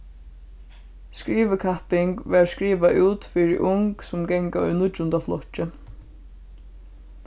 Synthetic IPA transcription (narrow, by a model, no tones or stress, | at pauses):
skɹiːʋɪkʰahpɪŋkʋɛɹskɹiːʋaʔuːt̪fiɹɪ̰ʔʊŋksʊmɡɛŋkaɔ̰jnʊt͡ʃːʊnt̪aflɔht͡ʃɪ